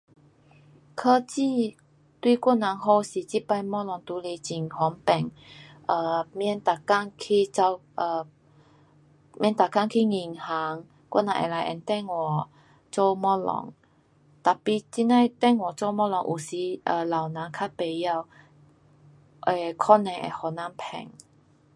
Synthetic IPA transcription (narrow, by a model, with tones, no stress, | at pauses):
kʰəː˧t͡ɕi˥˧˨ | t̪wi˥˧kʷɔ˥˨nã˨˦ŋɦo˧si˨˩t͡ɕi˦˥˨pa˧jmɔ˥lɔ˧˦ŋt̪u˨˦le˧t͡ɕi˨˩ŋhɔ˨˦ŋpɛ˨˩ŋ | ʔə˧˩mjɛ˧nt̪a˨˩ka˥˧˨ŋkʰi˧t͡sa˧ʔə˧˩ | mjɛ̃˧˥nt̪a˨˩ka˥˨ŋkʰi˦˩ŋi˨˩ŋha˨˦ŋ | kwɔ̰˥˨nã˧˨ʔɛ̰˨la˨˧˦jʔɛ̰˧˨nt̪ɛ˥˧˨ŋwɔ˨˩ | t͡so˥˧mɔ˥lɔ̰˧˦ŋ | t̪a˨˩pi˧t͡ɕi˧˥na˥˧˨t̪ɛ˥˧˨ŋwɔ˨t͡so˥˧mɔ˥lɔ˧˦ŋʔu˨˩si˨˧˦ʔə˧˩la˨wnã˨˦ŋkʰa˥pe˨ja˧˨w | ʔe˨kʰɔ˥nɛ̃˧ŋʔḛ˨hɔ˨˩na˧˦mpʰɛ̰˨˩ŋ